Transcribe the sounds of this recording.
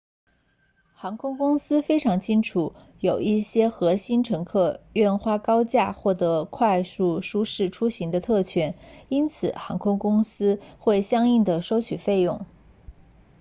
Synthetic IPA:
xɑ˧˥ŋkʰʊ˥ŋkʊ˥ŋsɹ̩˥fe˥ɪʈ͡ʂʰɑ˧˥ŋt͡ɕʰi˥nʈ͡ʂʰu˧˩˦ | jo˨˩ʊi˥˩ɕjɛ˥xɤ˧˥ɕi˥nʈ͡ʂʰɤ˧˥ŋkʰɤ˥˧ɥɛ˥˧nxwa˥kɑ˥ʊt͡ɕja˥˩xwɔ˥˩t̪ɤ˧˥kʰwa˥˧ɪsu˥˩ʂu˥ʂɻ̩˥˩ʈ͡ʂʰu˥ɕi˧˥ŋd̪ə˧t̪ʰɤ˥˩t͡ɕʰɥɛ˥ni˥nt͡sʰɹ̩˨˩xɑ˧˥ŋkʰʊ˥ŋkʊ˥ŋsɹ̩˥xwe˥˩ɪɕjɑ˥ŋi˥˩ŋd̪ə˩ʂo˥ʊt͡ɕʰy˨˩fe˥˧ɪjʊ˥˩ŋ

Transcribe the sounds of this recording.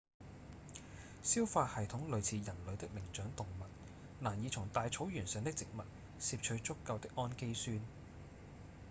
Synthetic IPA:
siː˥wfaː˧t̚hɐ˨jt̪ʰʊ˨˥ŋlɵ˨˧ɥt͡sʰiː˨˧jɐ˨˩nlɵ˨˧ɥt̪ɪ˥k̚lɪ˨˩ŋt͡ʃœː˨˥ŋt̪ʊ˨ŋmɐ˨t̚ | naː˨˩njiː˨˧t͡ʃʰʊ˨˩ŋt̪aː˨˧jt͡sʰo˨˥wjyː˨˩nsœː˨˧ŋt̪ɪ˥k̚t͡sɪ˨k̚mɐ˨t̚ | si˧p̚t͡ʃʰɵ˨˧˥ɥt͡sʊ˥kːɐ˧wt̪ɪ˥k̚ʔɔː˥nke˥jsyː˥n

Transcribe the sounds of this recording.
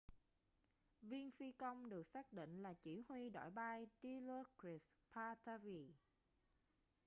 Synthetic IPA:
vi˧ənfi˧kə˧wŋ͡mɗɨ˨˩ək̚saː˦˥k̚ɗḭ˧˨ŋ̟laː˨˩t͡ɕḭ˧˩hwi˧ɗa̰˧˨jɓaː˧jt͡ɕi˧lo˧kɾi˨˩spʰaː˧t̪aː˧vi˨˩

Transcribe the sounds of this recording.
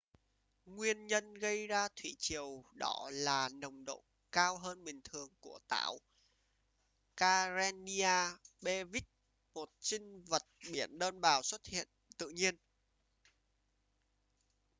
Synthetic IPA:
ŋwi˧ənɲə˧nɣə˧jzaː˧t̪ʰwḭ˧˩t͡ɕi˨˩əwɗɔ̰˧˦laː˨˩nə˨˩wŋ͡mɗo̰˧˨ | kaː˧wɦəː˧nɓï˨˩ŋ̟t̪ʰɨ˨˩əŋku˧˩ət̪a̰ː˧˩˦w | kaː˧za˧ni˧aː˧ɓe˧vi˦˥k̚ | mo˨˩t̚t͡ɕï˧ŋvə˨˩t̚ɓi˧˩ənɗəː˧nɓaː˨˩wswə˦˥t̚hḭ˧˨ənt̪ɨ̰˧˨ɲi˧ən

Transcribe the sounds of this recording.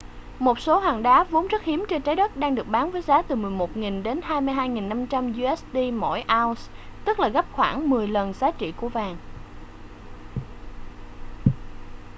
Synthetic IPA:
mo˨˩t̚so˨˦ɦwaː˨˩ŋɗaː˨˦vo˨˦nzə˦˥t̚hi˨˦əmt͡ɕe˧nt͡ɕaː˨˦jɗə˦˥t̚ɗaː˧ŋɗɨ˨˩ək̚ɓaː˨˦nvəː˨˦jzaː˨˦t̪ɨ˨˩mɨ˨˩əjmo˨˩t̚ŋi˨˩ŋɗe˨˦nɦaː˧jmɨ˧jɦaː˧jŋi˨˩nːa˧mt͡ɕa˧mzu˧ʔɛ˦˥sɗi˧mɔ̰˧˩˨jʔaː˧wst̪ɨ˦˥k̚laː˨˩ɣə˦˥p̚xwaː˧˩ŋmɨ˨˩əjlə˨˩nzaː˨˦t͡ɕḭ˧˨ku˧˩əvaː˨˩ŋ

